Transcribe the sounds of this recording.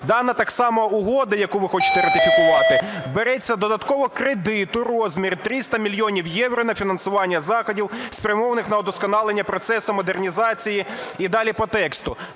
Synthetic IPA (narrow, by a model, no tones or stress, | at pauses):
d̪ɑnɐt̪ɑksɑmɔʊɦɔd̪ɐjɐkuʋɪxɔt͡ʃɪ̥t̪ɛɾɐt̪ɪfʲikʊʋɑt̪ɪbeɾɛt͡sʲːɐd̪ɔd̪ɐt̪kɔʋɔkɾed̪ɪt̪ʊrɔzʲmʲirt̪ɾɪst̪ɐmʲilʲjɔnʲiwjɛwɾɔnɐfʲinɐnsʊʋɑnʲːɐzɑxɔdʲiwspʲɾʲɐmɔʋɐnɪxnɐɔd̪ɔskɔnɑlˠenʲːɐpɾɔt̪sɛsʊmɔd̪ernʲizɑt͡sʲijiid̪ɑlʲipɔt̪ɛkst̪ʊ